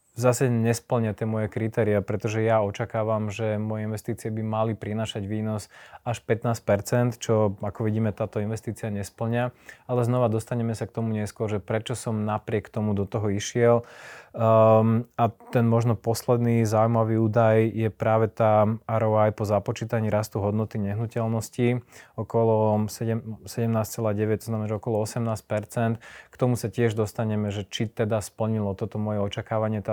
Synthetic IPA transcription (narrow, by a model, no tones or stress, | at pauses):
zasɛɲɛspl̩ɲɪat̪ɪɛmɔjɛkɾit̪ɛːɾiapɾɛt̪ɔʒɛjaɔt͡ʃakaːʋamʒɛmɔjɛinʋɛst̪iːt͡siɪɛbimalipɾinaːʃaɟʋiːnɔsaʃpɛt̪naːsc̚pɛɾt͡sɛnt̪t͡ʃɔakɔʋiɟiːmɛt̪aːt̪ɔinʋɛst̪iːt͡siɪaɲɛspl̩ɲɪaalɛznɔʋad̪ɔst̪aɲɛmɛsak̚t̪ɔmuɲɛskʊɔɾʒɛpɾɛt͡ʃɔsɔmnapɾɪɛkt̪ɔmud̪ɔt̪ɔɦɔiʃɪɛl | at̪ɛnmɔʒnɔpɔslɛd̪nizaumaʋiːuːd̪ajjɛpɾaːʋɛt̪aːaɾɔajpɔzapɔt͡ʃiːt̪aɲiːɾast̪uɦɔd̪nɔt̪iɲɛɦnucɛlnɔsciɔkɔlɔsɛɟɛmsɛɟɛmnaːst͡sɛlaːɟɛʋɛct̪ɔznamɛnaʒɛɔkɔlɔɔsɛmnaːsc̚pɛɾt͡sɛnt̪kt̪ɔmusacɪɛʒd̪ɔst̪aɲɛmɛʒɛt͡ʃit̪ɛd̪aspl̩ɲilɔt̪ɔt̪ɔmʊɔjɛɔt͡ʃakaːʋaɲɪɛt̪a